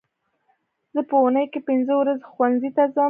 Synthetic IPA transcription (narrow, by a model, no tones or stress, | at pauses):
zəpəunəjkepɪnzəwɾazxwanzit̪azɑ